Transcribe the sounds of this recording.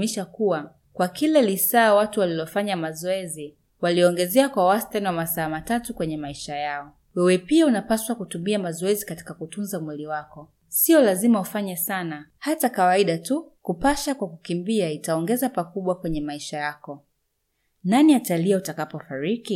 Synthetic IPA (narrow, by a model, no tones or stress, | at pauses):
miʃakuwa | kwakilalisaːwatuwalilɔfaɲamazɔɛzi | waliɔɔŋɡɛzɛakwawastanwamasaːmatatukwɛɲɛmaiʃajaɔ | wɛwɛpiaunapaswakutumiamazɔɛzikati̥kakutunzamwiliwakɔ | siɔlazimaufaɲɛsanahatakawaiɗatukupaʃakwakukimbiaitaɔŋɡɛzapakuɓwakwɛɲɛmaiʃajakɔ | naniataliautakapɔfaɾiki